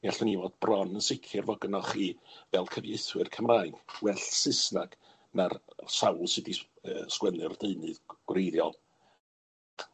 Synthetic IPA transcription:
aɬʊnivɔd̥brɔnənsɪkʰɨrvɔɡənɔχivɛlˠkʰəvjeɨθwɨrkʰəmraːɨnwɛɬsɨsnaɡ̥ | narsawlˠsɨdi | əːskwɛnɨrdeɨnɨðɡ̥wrejðjɔ̰lˠ

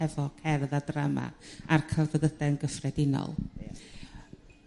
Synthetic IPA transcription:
ɛvɔkʰɛrðadrama̰arkʰarvəðədɛnɡəfrɛdɪnɔ̰lˠ

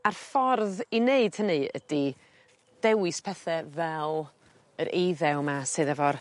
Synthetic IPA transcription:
arfɔrðineɨd̥hənɨə̰d̥i | d̥ɛwɨspʰɛθɛvɛlˠ | əɾʔejðɛwmasɨðavɔr

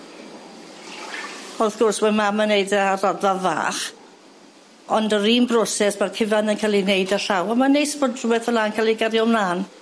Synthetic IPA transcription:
ɔθɡ̥ɔrswɛmamənejdarɔdava̰ːχ | ɔndəɾiːmbrɔsɛsmarkʰɪvanənkʰalˠinejdəɬawamanejsbodruwɛθəlankʰalˠiɡaɾjɔmlaːn

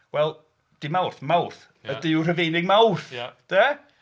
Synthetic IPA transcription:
wɛlˠ | d̥imawrθmawrθ | ədɪwr̥əvejnɪɡ̚mawrθd̥ɛ

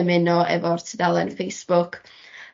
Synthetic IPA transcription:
mɪnɔʔɛ̰vɔrtʰədalˠɛnfejsb̥ʊkʰ

